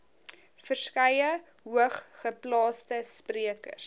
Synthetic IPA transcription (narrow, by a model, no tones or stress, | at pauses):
fərskɐjəɦuəχːəplɑːstəspriəkə̰r